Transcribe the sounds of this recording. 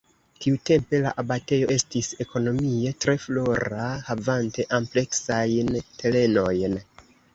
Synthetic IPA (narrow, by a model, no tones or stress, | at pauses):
tiute̞mpe̞laʔabate̞jo̞ʔe̞stise̞kʰo̞no̞mie̞tɾe̞flo̞ɾahavante̞ʔample̞ksajntʰe̞le̞no̞jn